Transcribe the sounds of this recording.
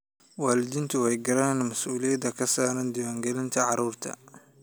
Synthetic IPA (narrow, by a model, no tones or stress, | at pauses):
waːlɪd̪ɪnt̪ʰʊwajɡɐɾaːnmɐsʔuːlijɐd̪ɐkʰɐsaːɾɐnd̪ɪwaːŋɡɐlɪnt̪ʰɐʕɑɾuːɾt̪ʰɐ̰